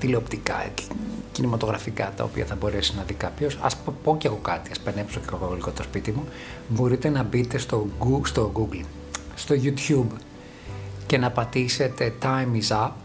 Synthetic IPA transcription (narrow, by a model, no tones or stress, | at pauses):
t̪ileo̞pt̪ikɐ̰cinimɐt̪o̞ɣɾɐfikɐ̰t̪ɐ̰o̰pḭɐ̰θɐbo̞ɾesiznɐðikɐpço̞sɐ̰spo̞ceɐɣo̞kɐt̪iɐspenepsoceɐɣoɣoliko̞t̪o̞spit̪imu | bo̞ɾit̪e̞nɐbit̪e̞st̪oɡust̪o̞ɡuɡl | st̪o̞ʝut̪çub | ce̞nɐpɐt̪ise̞t̪e̞t̪ɐjmizɐ